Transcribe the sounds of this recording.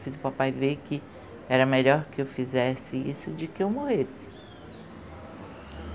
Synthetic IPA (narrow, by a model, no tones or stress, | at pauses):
fizʊpapajveɾkɪ | ɛɾɐmeʎɔɾkɪewfizɛsɪisʊd͡ʒɪkɪewmohesɪ̥